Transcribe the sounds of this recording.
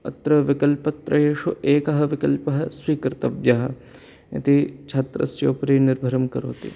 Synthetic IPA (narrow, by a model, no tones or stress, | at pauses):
ɐ̰t̪ɾɐʋɪkɐlpɐt̪ɾɐjeːʃuʔeːkɐɦɐ̆ʋɪkɐlpɐɦɐsʋiːkɾt̪ɐbjɐɦɐ̆ | ɐ̰t̪it͡ʃʰɐt̪ɾɐ̰st͡ʃoːpɾiːnɪɾbʱɐɾɐmkɐɾo̰ːt̪ḭ